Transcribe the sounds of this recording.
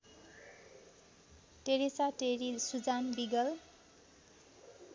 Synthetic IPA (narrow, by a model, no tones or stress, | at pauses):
ʈeɾisaʈeɾisud͡zanbiɡʌl